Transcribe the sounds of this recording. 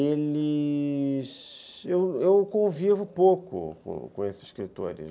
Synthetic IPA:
elɪ | ʃewewkõvivʊpokʊ̰kõ̰kõ̰esɪ̥ʃkɾit̪ɔ̰ɾṵ

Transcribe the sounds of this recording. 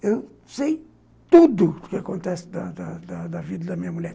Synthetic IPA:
ewsej | t̪ud̪ʊd̪ʊkɪɐkõnt̪ɛsɪ̥d̪ɐd̪ɐd̪ɐd̪ɐvid̪ɐd̪ɐmĩɲɐmuʎɛɾ

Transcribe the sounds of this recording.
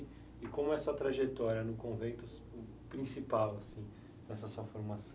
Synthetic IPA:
ɪkõmʊɛɐsuɐt̪ɾaʒet̪ɔɾjɐnʊkõvẽnt̪ʊ | pɾĩsipawasĩ | d̪ɛsɐsuɐfoɾmasɐ̃

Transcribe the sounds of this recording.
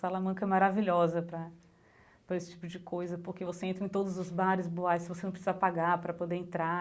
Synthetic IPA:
salamɐ̃kɐɛmaɾaviʎɔzɐpɾɐ | pɾɐesɪ̥t͡ʃi̥pʊd͡ʒɪkojzɐpoɾkevoseẽnt̪ɾɐ̃ẽt̪od̪ʊzʊzbaɾɪzboajskɪvosenɐ̃pɾɪsizɐpaɡaɾpɾɐpod̪eẽnt̪ɾa

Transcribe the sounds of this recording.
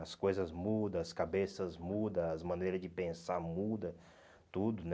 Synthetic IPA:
ɐskojzɐzmud̪ɐɐskabesɐzmud̪ɐɐzmɐ̃nejɾɐd͡ʒɪpẽsaɾmud̪ɐ | t̪ud̪ʊn

